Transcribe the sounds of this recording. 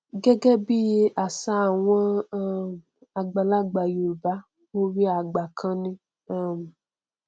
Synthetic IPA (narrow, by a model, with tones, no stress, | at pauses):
ɡɛ˦ɡɛ˦bi˦a˨sa˦˨w̃ɔ̃˦m | a˨ɡ͡ba˨la˦ɡ͡ba˨jo˨ba˦ | o˦ɾi˦a˨ɡ͡ba˨kʰã˧nĩ˦ | a˦m˨